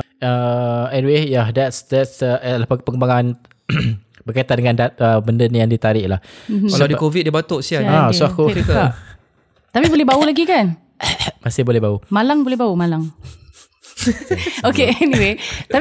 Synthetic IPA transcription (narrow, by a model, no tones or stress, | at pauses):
əɛniwejadɛtsdɛtsəəlapapəkəmbaŋan | bərkait̪at̪̚dəŋandat̪̚əbəndənjaŋdit̪aɾɪʔlahm̩kaladikovit̪̚dibat̪oʔsiaasuakoik | t̪apibolɛɦbaulaɡikan | masɪhbolɛhbaumalaŋbolɛɦbaumalaŋ | okeɛniwet̪a